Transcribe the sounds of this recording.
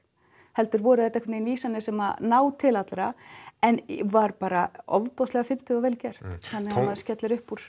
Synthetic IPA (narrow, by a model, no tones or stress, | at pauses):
hɛl̪t̪ʏɾvɔːɾʏθɛht̪aɛkvʏneinviːsanːɪsɛmanaːwt̪ʰɪlat̪lɾaɛnvaɾpaːɾaɔvpɔslɛɣafɪn̥t̪ɪðavɛːlcɛr̥t̪θanːɪamaðscɛt̪lɪɾʏhpːuɾ̥